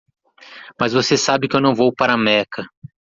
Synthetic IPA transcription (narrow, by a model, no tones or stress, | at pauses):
mɐzvosesabɪkɪewnɐ̃w̃vowpaɾɐmɛkɐ